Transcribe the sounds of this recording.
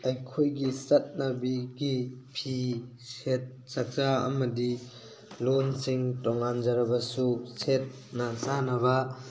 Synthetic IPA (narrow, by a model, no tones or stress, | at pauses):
ɐjkʰojɡisɐt̚nɐbiɡipʰi | set̚ | sɐk̚zaɐ̰mɐdi | lonsiŋtɔŋanzɐɾɐbɐsuset̚ | nasanɐba